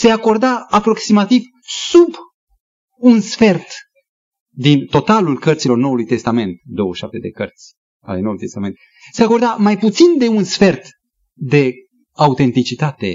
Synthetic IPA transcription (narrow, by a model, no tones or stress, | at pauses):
se̞ako̞rd̪aapɾo̞ksimat̪iv | sub | unsfe̞rt̪ | d̪int̪o̞t̪alulkərt̪silo̞rno̞wulujt̪e̞st̪ame̞nt̪̚d̪o̞wəʃap̚t̪e̞d̪e̞̰kərt̪sʲ | a̰le̞nowulujt̪e̞st̪ame̞nt̪ | se̞ako̞rd̪amajput̪sind̪e̞unsfe̞rt̪ | d̪e̞ | aut̪e̞nt̪it͡ʃit̪at̪e̞